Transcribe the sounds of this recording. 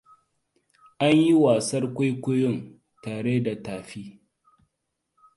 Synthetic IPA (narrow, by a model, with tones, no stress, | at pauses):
ʔa˦ɲji˦waː˨sɐ˦rkʷa˦jkʷʊ˦jʊ˦˨n | taː˨ɽeː˦da˨taː˨ɸiː˦